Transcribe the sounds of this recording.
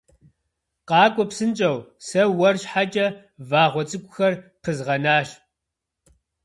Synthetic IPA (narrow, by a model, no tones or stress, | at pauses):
qɑːkʷʼɔpsɨnt͡ʃʼɐwsɐwɐrɕħat͡ʃʼɐ | vaːʁʷɔt͡sʼɨkʷʼʊxɐrqʰəzʁɐnaːɕ